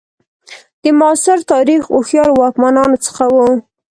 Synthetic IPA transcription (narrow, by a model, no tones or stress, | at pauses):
d̪̥əmɑsɪɾt̪ɑɾixʊxjɑɾwɑkmanɑnot͡sə̥xawu